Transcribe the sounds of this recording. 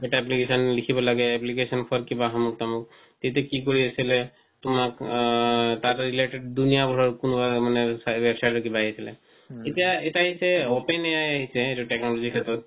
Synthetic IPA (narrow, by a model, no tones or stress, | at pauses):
eʈaɛplikesɔnlikʰibɔlaɡɛɛplikesɔnpʰɔɾkibaɦɔmuk̚t̪amuk̚ | t̪et̪ɛkikoɹiasilɛ | tumak | tatɹileʈeɖ̚d̪unijabʱɔɹɔɹkunubamanɛsabebsajʈɔkibaɦiasilɛ̰ | etijaetaɦisɛɔpenɛjajaɦisɛːtuʈeknɔlɔzikʰɛt̪ɔt̪̚